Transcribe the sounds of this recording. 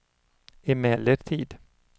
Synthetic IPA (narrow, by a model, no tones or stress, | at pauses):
ɪmɛlːəɾt̪ʰiːd̪